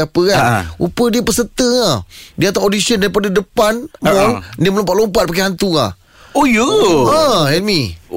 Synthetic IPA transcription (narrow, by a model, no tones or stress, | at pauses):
apəkanṵpədiəpəsət̪əŋadiat̪aʔodisiəndaɾipadadəpanmɔldiəməlompat̪̚lompat̪̚pak̬aɦant̪ua̰h | ojəãhɛlmi